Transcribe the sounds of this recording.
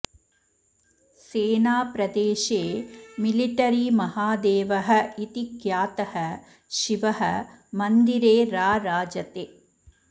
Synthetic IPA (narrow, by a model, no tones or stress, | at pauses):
seːnaːpɾɐd̪eːʃeːmiliʈɐɾimɐhaːd̪eːʋɐɦɐit̪ikjaːt̪ɐhɐ | ʃiʋɐɦɐ | mɐnd̪iɾeːɾaːɾaːd͡ʒɐt̪eː